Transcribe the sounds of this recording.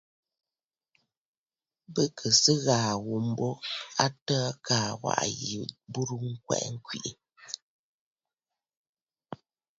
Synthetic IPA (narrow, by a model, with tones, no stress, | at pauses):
bə˦kʰə˨sə˦ɣaː˨wu˨m̩˦bo˦a˦tə˦kaː˨wa̰˦˨ʔjḭ˨bu˦ɾu˦ŋ̩˦kwɛ̰˨ʔŋ̩˦kɥḭ˨ʔi˨